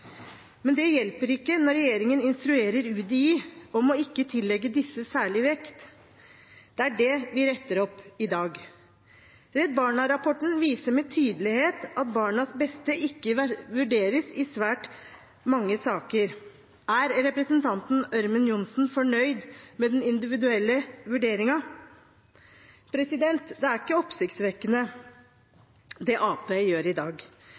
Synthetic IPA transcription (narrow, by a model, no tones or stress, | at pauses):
mɛnd̪ɛjɛlpəɾɪkːənɔɾɛjeːɾɪŋənɪnst̪ɾʉeːɾəɾʉːd̪iɔmɔɪkːət̪ʰɪlːɛɡːəd̪ɪsːəsæːɭɪʋɛkt̪ | d̪̥ɛæɖɛʋɪɾɛt̪ːəɾɔpːɪd̪ɑːɡ | ɾɛd̪̚bɑːɳɑɾɑpʰɔʈn̩ʋiːsəɾmɛt̪ʰyːd̪əlɪheːt̪ɑt̪̚bɑːɳɑsbɛst̪əʔɪkːəʋʉɖeːɾəsɪsʋæːʈ | mɑŋːəsɑːkəɾ | æɾɾɛpɾəsənt̪ʰɑnt̪n̩œɾmənjʊnsn̩fɔɳœʏd̪mɛd̪ɛnɪnd̪ɪʋɪd̪ʉɛlːəʋʉɖeːɾɪŋɑ | pʰɾɛsɪd̪ɛnt̪d̪ɛæɾɪkːəɔpsɪkt̪sʋɛkːənə | d̪ɛʔɑːpeːjøːɾɪd̪ɑːɡ